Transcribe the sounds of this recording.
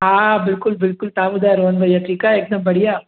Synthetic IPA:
ɦãːbɪlkʊlbɪlkʊlt̪aːbʊd̪aɾoːnbɐjaʈʰiːkaeːk̚d̪ɐbɐɽijaː

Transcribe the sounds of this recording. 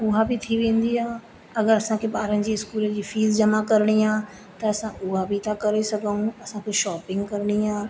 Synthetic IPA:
ʊɦabʱit̪ʰiʋẽːnd̪iãː | ɐɡəɾɐsãkebaːɾənd͡ʑiːskuːləd͡ʑiːfiːlzd͡ʒɐmakɐɾɽ̃iãː | t̪ɐɐsãʔʊɦabʱit̪ʰakɐɾesɐɡaũɐsãkeʃɔːpɪ̃ŋɡkɐɾɽ̃iɦãː

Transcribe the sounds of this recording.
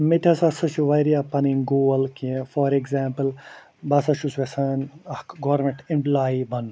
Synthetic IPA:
met̪ʲʰɐsɐsɐʃuʋɐjɾijapɐniŋɡoːɐlkifɔɾekzaːmpɨl | bɐsɐʃusʋesɐːnɐkɡoːɾmẽɳʈimplaːibɐn

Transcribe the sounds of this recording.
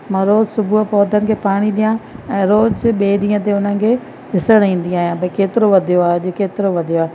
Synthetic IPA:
mɐ̃ɾoːzsʊbʱuɦpɔːd̪ʱənɪ̆kʰeːpaːɽ̃iɗ̪ijãɛ̃ːɾoːd͡ʒɓeːɗĩːə̃t̪eʊn̤əɪ̆kʰeː | ɦɪsəɽ̃ĩːn̆d̪iaːɦijãbɐikeːt̪ɪɾoʋɐd̪ʱijoaːɦed͡ʑokeːt̪ɪɾoʋɐd̪ʱijoaːɦe

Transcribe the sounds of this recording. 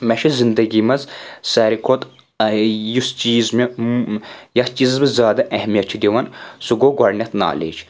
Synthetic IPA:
mɐʃɐzind̪ɐɡimɐzsɐːɾikʰot̪ | ɐjust͡ʃiːzmɐ | jɐht͡ʃiːzɐzbɐzʲaːd̪ɐʔɛhmijɐt̪t͡ʃʰid̪ʲiʋɐnsuɡoːɡɐɾnʲɐt̪na̰ːlḛːt͡ʃ

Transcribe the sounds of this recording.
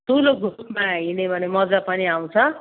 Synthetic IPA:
t̪ʰuloɡʱupmaɦinebʱʌnemʌd͡zapʌniaw̃t͡sʰʌ

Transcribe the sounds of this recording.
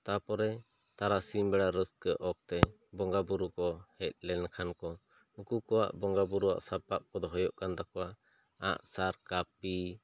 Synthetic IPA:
t̪apɔɾɛ | t̪aɾasimbɛɽaɾəskəʔɔk̚t̪ɛ | bɔŋɡabuɾukɔhɛc̪̚ˀlɛnkʰankɔ | ukukɔwa̰ʔbɔŋɡabuɾuwa̰ʔsapːap̚kɔd̪ɔɦɔjɔʔkand̪akɔwaʔ | a̰ʔsaɾkapi

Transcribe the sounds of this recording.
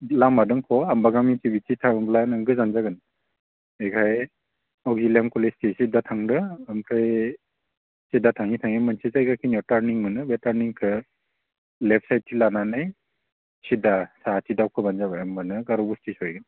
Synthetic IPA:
lamadɯŋkʰɔambaɡamitibitʰitʰaŋblanɯŋɡɯzanzaɡɯn | ekʰaj | ɔɡilemkɔlestisidatʰaŋdɯːmkʰej | sidatʰaŋitʰaŋimɯnsʰizajɡakʰinɔtaɾniŋmɯnɯbetaɾniŋkʰɯ | lepʰsajt̚ʰːilananaj | sidasatʰidawkʰɯbanzabajamːanɯɡaɾɔbustisɔjɡɯn

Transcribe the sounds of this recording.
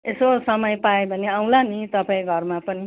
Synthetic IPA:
esosʌmʌjpaebʱʌneaw̃lanit̪ʌpãĩɡʱʌrmapʌni

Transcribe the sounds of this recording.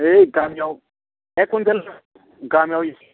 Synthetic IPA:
eɡ̥ʱamijau | ɛkʰund͡zɛl | ɡamijawujis

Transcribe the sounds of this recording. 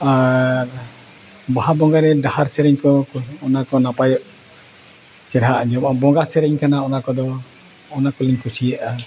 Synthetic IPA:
a | baɦabɔŋɡaɾɛdahaɾsɛɾɛɲkɔkɔnakɔnapajɔʔ | kɛɾɦaʔɲd͡ʒɔmabɔŋɡasɛɾɛɲkanaɔnakɔd̪ɔː | nakɔliɲkusiɛʔa

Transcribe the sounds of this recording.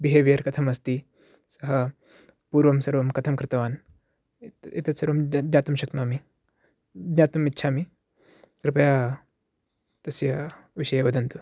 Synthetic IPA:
biɦeʋjɐɾkɐt̪ʰɐmɐst̪i | sɐɦɐ | puːɾʋɐmsɐɾʋɐmkɐt̪ʰɐmkɾɪt̪ɐʋaːn | it̪ɐsɐɾʋɐmd͡ʒaːt̪ɐmʃɐknami | d͡ʒɲaːt̪ɐmitːʃʰaːmi | kɾɪpɐjaː | t̪ɐsjɐ | ʋiʃɐjɐʋɐd̪ɐnt̪u

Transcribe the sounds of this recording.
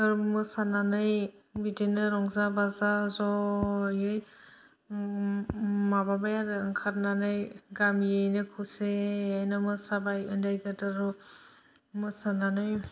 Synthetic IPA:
ɯɾmɯsananɯjbidinɯɾɔŋzabazazɔjɯj | mababajaɾɯŋkʰaɾnanɯjɡamjɯjnɯkʰuseajnɯmɯsabajɯndajɡadaɾu | mɯsananɯj

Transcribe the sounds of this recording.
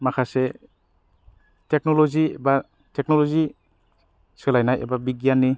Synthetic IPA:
makʰase | tek̚nɔlɔziba | tek̚nɔlɔzi | sɯlajnajḛbabiɡjanːi

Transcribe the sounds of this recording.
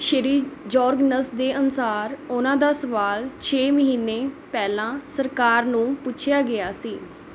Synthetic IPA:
ʃəɾiːd͡ʒɔːɾɡnəsd̪eːʔənʊsaːɾʊnãːd̪aːsəʋaːlt͡ʃʰeːməɦiːnːeːpɛːlãːsəɾkaːɾnũːpʊt͡ʃʰjaːɡɪaːsiː

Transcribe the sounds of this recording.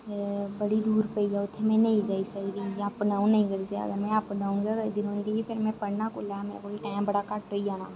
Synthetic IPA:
bəɽid̪uːɾpəijaʊt̪ʰːemẽnɐĩd͡ʒaːisad̪ijapnaːũnɐɦĩɡəɾsa̰ɐ̰ɡəɾmɛ̃apɖaːũnɡaɡəd̪ɪnõːnd̪iifʰɪɾmɛ̃pɐɽnakʊlameːɾa̰koːlʈãːɪ̃mbɐɽakaʈːoijaːnaː

